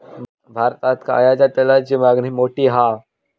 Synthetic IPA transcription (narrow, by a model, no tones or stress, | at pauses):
bʱaːɾt̪aːt̪ka̰jaːd͡ʒat̪ɐlad͡ʒimaːɡnimoːʈiɦa